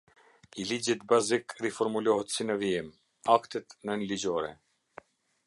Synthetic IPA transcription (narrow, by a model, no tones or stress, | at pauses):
ilid͡ʑit̪̚bazikrifɔɾmulɔɦɛt̪sinəviɛm | akt̪ɛt̪nənlid͡ʑɔɾɛ̰